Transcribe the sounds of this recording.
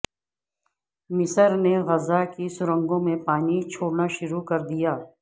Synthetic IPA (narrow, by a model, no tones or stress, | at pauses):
mɪsəɾneɣɐzakisʊɾə̃ŋɡõmẽpaːnit͡ʃʰoːɽnaʃʊɾukɐɾd̪ijaː